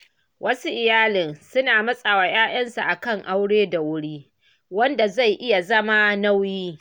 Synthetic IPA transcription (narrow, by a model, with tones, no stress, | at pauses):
wʔɐ˦su˦ʔɪ˨jaː˦lɪ˨nsʊ˦naː˨mɐ˦sʼa˨waː˨j̰aː˦ʔɐ˦nsa˨ʔa˨kɐ˦˨ŋʔa˦wɽeː˦da˨wʊ˦ɽiː˦ | wɐ˦nda˨za˦˨jʔɪ˦ja˨zɐ˦ma˦na˦wjiː˦